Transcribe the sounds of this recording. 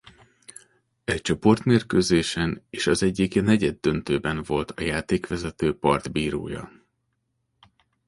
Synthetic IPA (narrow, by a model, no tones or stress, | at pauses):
ɛct͡ʃo̞po̞rt̪meːrkøːzeːʃɛneːʃɒzɛɟːiknɛɟɛd̪ːø̞nt̪øːbɛnvo̞lt̪ʰɒjaːt̪eːkʋɛzɛt̪øːpɒrd̪biːɾo̰ːjɒ̰